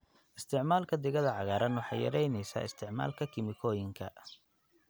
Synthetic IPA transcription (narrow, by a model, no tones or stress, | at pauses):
ʔɪst̪ʰɪʕmaːlkʰɐd̪ɪɣɐðɐʕɑɣaːɾɐnħɑ̰jɐ̰ɾɛjnɛjsa̰ːɪst̪ʰɪʕma̰ːlkʰɐkʰɪmɪkʰɔːjɪŋkʰɐ̰